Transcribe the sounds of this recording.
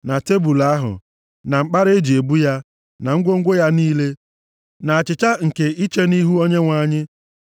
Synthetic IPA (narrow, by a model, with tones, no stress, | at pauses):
na˨te˦bu˨la˦ɦʊ̰˨ | na˨ŋ͡m̩˨k͡pa˦ɾe˦d͡ʒi˨e˨bu˦ja˦ | na˨ŋ̩˦ɡʷo˦ŋ̩˦ɡʷo˦ja˦niː˦le˦ | na˨a˨t͡ʃɪ˨t͡ʃa˦ŋ̩˨ke˨i˦t͡ʃe˦ni˦ɦu˦o˦ɲe˦ŋʷa˨ɲɪ˦